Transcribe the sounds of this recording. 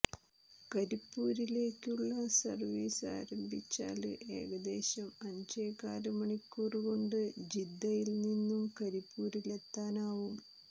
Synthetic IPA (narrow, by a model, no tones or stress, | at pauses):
kɐɾipːuːɾile̞ːkʲːuɭːɐsɐrʋiːsa̰ːɾɐmbʱit͡ɕːa̰ːlɨʔe̞̰ːɣɐd̪e̞ːɕɐmɐɲd͡ʑeːkːaːɾɐmɐɳikʲːuːrɣo̞ɳɖɨd͡ʑid̪ːɐjilninːumkɐɾipːuːɾile̞t̪ːaːnaːʋum